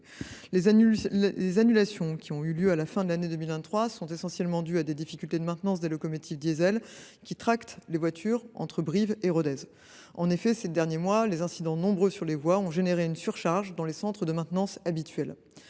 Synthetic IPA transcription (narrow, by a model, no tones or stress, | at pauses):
ezanylasjɔ̃kʲʰiɔ̃yljøalafɛ̃d̪əlaned̪ømilvɛ̃t̪χwasɔ̃t̪esɑ̃sjɛlmɑ̃d̪yad̪ed̪ifikʲylt̪ed̪əmɛ̃t̪nɑ̃s̬d̪elɔkɔmɔt̪ʰifd̪jezɛl | kʲit̪χakt̪levwat̪ʰyʁɑ̰̃t̪χəbʁiveʁɔd̪ɛz | ɑ̃nefɛsed̪ɛʁnjemwalezɛ̃sid̪ɑ̃nɔ̃bʁøsyʁlevwaɔ̃ʒeneʁeynsyʁʃaʁʒd̪ɑ̃lesɑ̃t̪χəd̪əmɛ̃t̪nɑ̃sabit̪ɥɛl